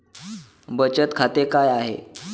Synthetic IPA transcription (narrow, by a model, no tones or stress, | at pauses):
bət͡ɕət̪kʰat̪ekajaɦḛ